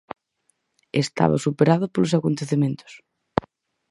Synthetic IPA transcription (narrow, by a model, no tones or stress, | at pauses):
est̪a̰βa̰supeɾaðʊpolosakont̪eθemẽnt̪ʊ̥s